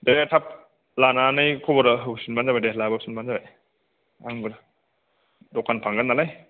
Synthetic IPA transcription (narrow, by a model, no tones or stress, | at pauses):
deɾetʰap̚ | lananajkʰɔbɔɾaɦɯsinbanzabadelabasinbanzabaj | aŋbɯɾ | dɔkʰanpʰaŋɡanːalaj